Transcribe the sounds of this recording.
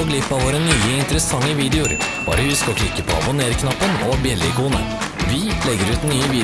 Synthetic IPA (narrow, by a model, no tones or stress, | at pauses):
ɔɡlɪpːɑʋoːɾənyːəɪnt̪əɾəsɑŋːəʋiːd̪ɛʊɾb̥ɑ̰ːɾəʋɪskɑlkʰlɪkːəpʰɔ̰ɑ̰bʊneːɾkʰnɑpːənɔbjɛlːɪkuːnə̰ | ʋɪlɛɡːəɾʉːt̪nyːəʋiː